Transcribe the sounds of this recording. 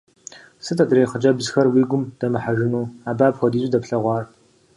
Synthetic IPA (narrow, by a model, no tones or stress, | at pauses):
sɨtʰɐtʼreːχəd͡ʒʼɐbzxɐrwiːɡʷʊmd̥ɐmɨħaʒɪnuːaːbaːpxʷɔdiːɕʷʼɪdɐpɬɐʁʷɑːr